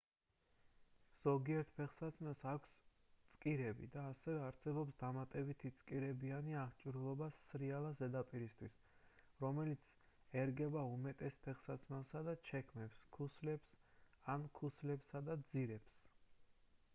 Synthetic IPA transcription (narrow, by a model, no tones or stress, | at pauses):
z̥ɔɡiɛɾt̪̚ʰpʰɛχsat̪sʰnasakʷʰs | t̪sʼkʼiɾɛbḭd̪aːsɛvɛaɾsɛbɔpsd̪amat̪ʼɛbit̪ʰit̪sʼkʼiɾɛbianiaʁt͡ʃʼiɾulˠɔbasɾialˠazɛd̪apʼiɾist̪ʰwis | ɾɔmɛlit̪sʰ | ɛɾɡɛbaumɛt̪ʼɛspʰɛχsat̪sʰnasad̪at͡ʃʰɛkʰmɛpskʰuslɛpsankʰuslɛpsad̪ad̪ziɾɛps